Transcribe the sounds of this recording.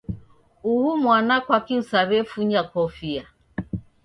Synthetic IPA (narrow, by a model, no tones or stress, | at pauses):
uhumwanakʷakiusaɾefuɲakɔfia